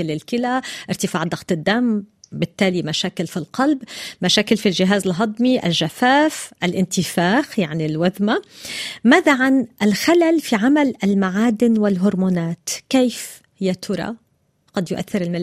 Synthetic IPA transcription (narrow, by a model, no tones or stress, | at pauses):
ɪlːɪlkɪlaʔɪɾt̪ɪfaːʕd̪ˤɑxt̪ˤɪd̪ːambɪt̪ːaːlimaʃaːkɪlfilqɑlbmaʃaːkɪlfilʒɪɦaːzɪlɦɑd̪ˤmiʔa̰lʒafaːfʔalʔɪnt̪ɪfaːxjaʕnilwaðmamaːðaʕanʔalxalalfiʕamalʔalmaʕaːd̪ɪnwɪlɦʊɾmoːnaːt̪keːf | hɪjːat̪ʰʊɾˤɑ̰ | ɡ̥ɑd̪jʊʔa̰θːɪɾɪlmɪl